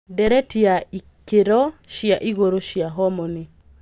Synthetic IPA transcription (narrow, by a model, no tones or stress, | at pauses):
dɛɾɛtiai | keɾɔʃjaʔiɣoɾoʃjaɦɔmɔni